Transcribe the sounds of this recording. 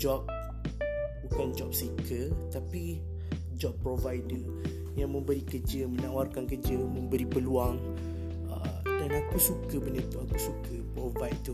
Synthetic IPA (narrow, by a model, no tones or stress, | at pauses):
d͡ʒɔp̚ | bukand͡ʒɔp̚səikʰət̪api | d͡ʒɔpːɾovajdə | jaŋmə̃mbəɾikəd͡ʒəmənawarkankəd͡ʒəmə̃mbəɾipəluaŋ | ə̰danakusukəbənət̪uakusukʰəpɾovajt̪u